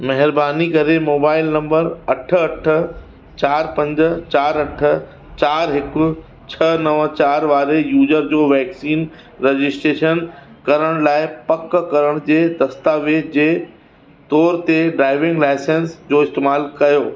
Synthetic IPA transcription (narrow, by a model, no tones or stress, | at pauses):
mɐɦɪɾbaːnikɐɾemoːbaːɪlnɐ̃mbəɾɐʈʰə̆ɐʈʰə̆ | t͡ɕaːɾpɐ̃ɲd͡ʑ̆t͡ɕaːɾɐʈʰə̆ | t͡ɕaːɾɦɪkʊ̆ | t͡ɕʰɐnɐʋət͡ɕaːɾʋaːɾejuːd͡ʑəɾd͡ʑoːʋɛːksiːn | ɾed͡ʑɪsʈɾeːʃənkɐɾəɽ̃laːɪpɐkkːɐɾəɽ̃d͡ʑeːd̪ɐst̪aʋed͡ʑeː | t̪ɔːɾt̪eɖɾaːɪʋɪ̃ŋɡlaːɪsensd͡ʑoːɪst̪eːmaːlkɐjoː